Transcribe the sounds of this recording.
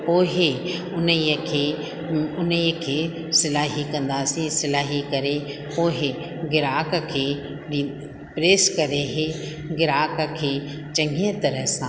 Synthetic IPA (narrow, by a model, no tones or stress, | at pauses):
poːɦɪ | ʊniəkʰeː | ʊnikʰeː | sɪlaːɦikɐ̃nd̪aːsĩsɪlaːɦikɐɾe | poːɦɪ | ɡɪɾaːk̆kʰeː | ɗi | pɾeːskɐɾeɦe | ɡɪɾaːkəkʰeː | t͡ɕɐ̃ŋɡʱiə̃t̪ɐɾəɦsãː